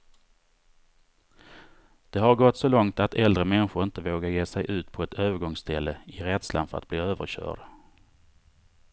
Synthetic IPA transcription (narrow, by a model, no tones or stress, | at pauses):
d̪̥ɛɦaɾɡɔt̪ːsɔlɔŋt̪at̪ɛld̪ɾəmɛnɧʊɾɪnt̪əvoːɡaɾjeːsɛjʔʉ̟ːt̪pʰɔɛt̪øːvəɾɡɔŋst̪ʰɛlːəɪɾɛd̪sla̰nfœɾa̰t̪̚b̥liːøːvə̰ɾɕœ̰ːɖ